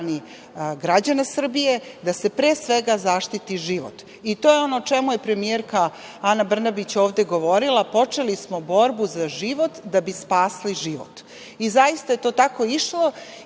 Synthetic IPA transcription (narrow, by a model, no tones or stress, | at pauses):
ni | ɡɾad͡ʑanasr̩bije̞d̪ase̞pɾeːsʋe̞ɡazaʃt̪it̪iʒiʋo̰t̪ | it̪ojeo̞not͡ʃe̞muje̞pɾe̞mieɾka | anabr̩nabit͡ɕo̞ːʋd̪e̞ɡo̞ʋo̞ɾilˠapo̞t͡ʂe̞lismobo̞ɾbuzaʒiʋo̞t̪d̪abispaːsliʒiʋo̰t̪ | izaist̪aje̞t̪o̞ːt̪ako̞iʃlˠo̞